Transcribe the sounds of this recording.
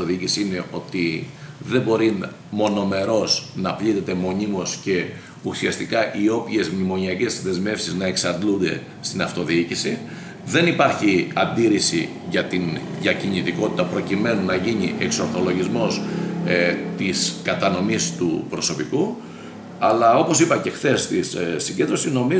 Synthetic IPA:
oðiicisiine̞ʔo̞t̪iðe̞bo̞ɾin | mo̞no̞me̞ɾo̞snɐplit̪e̞t̪e̞mo̞ɲimo̞sce̞ | usiɐst̪ikɐʔio̞pçe̞zmimo̞ɲiɐce̞zðe̞zme̞fsiznɐe̞ksɐnd̪lund̪e̞ | st̪inɐft̪o̞ðiicisi | ðe̞nipɐɾçiɐnd̪iɾisḭ | ʝɐt̪inðɐcinit̪iko̞t̪i̥t̪ɐpɾo̞cime̞nunɐʝiniʔe̞kso̞ɾθo̞lo̞ʝizmo̞s | t̪iskɐt̪ɐno̞mist̪upɾo̞so̞piku | ɐlɐo̞po̞sipɐce̞xθe̞st̪issiɲɟe̞nd̪ɾo̞sino̞mi

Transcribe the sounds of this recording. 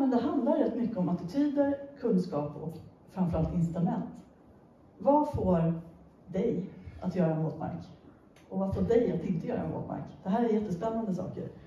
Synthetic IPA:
mɛnd̪ɛɦand̪laɾɛt̪ːmʏkːəɔmat̪ɪt̪ʰyːd̪əɾkʰɵnskɑːpɔ̰k | fɾamfœɾalt̪ɪnst̪ɾɵmɛnt̪ | vafoːɾ | d̪ɛjʔat̪jœːɾaɛnvoːt̪ma̰ɾk | ɔvafoːɖɛjat̪ɪnt̪əjœːɾa̰ɛnvo̰ːt̪ma̰ɾkd̪̥ɛɦæːɾæɾjɛt̪ːəspɛnːand̪əsɑ̰ːkə̰ɾ

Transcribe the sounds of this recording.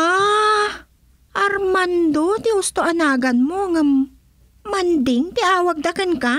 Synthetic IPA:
a | ʔɐɾmand̪ot̪ɪhʊst̪oʔɐnaːɡɐnmoŋamː | ɐnd̪ɪŋt̪ɪʔaːwɐɡ̚d̪akɛnka

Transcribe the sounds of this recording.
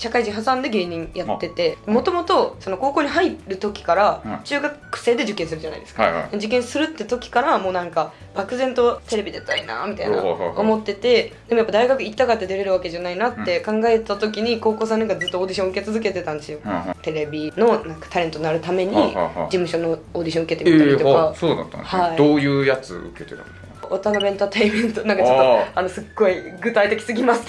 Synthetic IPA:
ɕakaiʑĩɦasãnd̪e̞ɡe̞ːɲ̟ĩjat̪ːe̞t̪e̞d̪emo̞t̪o̞mo̞t̪o̞so̞no̞ko̞ːko̞ːɲ̟iɦaiɾɯ̟t̪o̞kʲi̥kaɾat͡ɕɨːɡakkɯ̟̥se̞ːd̪e̞d͡ʑɨkːẽsɨɾɯ̟d͡ʑana̰ḭd̪eska̰d̪ed͡ʑikẽ̞ɰ̃sɨɾɯ̟t̪ːe̞t̪o̞kʲi̥kaɾamoːnãŋka | b̥akɯ̟zẽ̞nt̪o̞t̪e̞ɾe̞bʲid̪at̪ːaɾʲina̰mʲit̪a̰ina̰ʔomo̞t̪ːe̞t̪e̞d̪emojapːad̪aiɡakɯ̟itit̪ːakat̪ːed̪e̞ɾeɾɯ̟βake̞ʑanainat̪ːe̞kãŋɡae̞t̪at̪o̞k̬ʲiɲ̟iko̞ːko̞ːs̬ãnaŋkad͡zɨt̪ːooːd̪ʲiɕõɯ̟ke̞t͡sɨzɨke̞t̪e̞t̪ãnd̪esɨjo̞t̪e̞ɾebʲino̞nãŋkḁt̪aɾent̪onaɾɯ̟t̪ame̞ɲ̟id͡ʑimɯ̟ɕo̞no̞oːd̪ʲiɕõɯ̟ke̞t̪e̞miaɾit̪okasoːd̪a̰t̪ːã̰nhaid̪oːjɯ̟ːjat͡sɨ̰ɯ̰ket̪et̪ã̰n | ot̪anobẽ̞nt̪at̪aimẽnt̪onãŋkat͡ɕot̪ːoanosɨɡːo̞iɡɯ̟t̪ait̪eki̥sɨɡʲimasɨ̥t̪

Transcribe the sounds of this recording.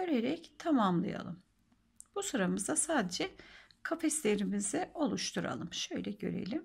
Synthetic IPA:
øɾeɾɛct̪ʰamamlˠa̰ja̰lˠɯm | b̥usuɾamɯzd̪asaːd̪ed͡ʒɛkʰafɛslʲe̞ɾimizio̞lˠuʃt̪ʰuɾa̰lˠɯmʃø̞jlʲɛɟø̰ɾḛlʲim

